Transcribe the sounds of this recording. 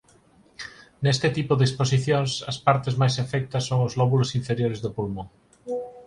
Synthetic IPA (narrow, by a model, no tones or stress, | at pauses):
nest̪ɪt̪ipʊðespos̬iθjoŋsɐspaɾt̪ɪzmajsefɛk̚t̪ɐsːoŋʊzlɔβulʊsiɱfeɾjoɾɪzðopulmoŋ